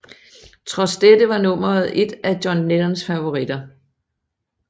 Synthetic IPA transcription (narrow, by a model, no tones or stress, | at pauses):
t͡sʰʁɒ̽sd̥ed̥əʋɑ̈nɔ̽m̰ɐð̩ˠe̝d̥æd̥jɒnːelɐnsfæʋo̝ʁid̥ɐ